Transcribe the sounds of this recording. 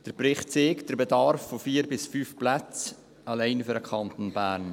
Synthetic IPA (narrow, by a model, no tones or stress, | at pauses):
d̥əɾpɾɪχtt͡seːkd̥əɾbɛdɑɾfːofiːɾbɪsfyːfplat͡s | ɑlæɪnfʏɾəkʰɑnt̪onbæːɾn